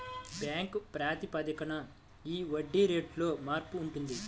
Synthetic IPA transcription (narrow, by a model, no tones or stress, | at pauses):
bjaːŋkpɾaːt̪ipɐd̪ɐkɐnɐ | iːʋɐɖːiɾe̞ːʈlo̞ːmaːɾpuːɳʈund̪i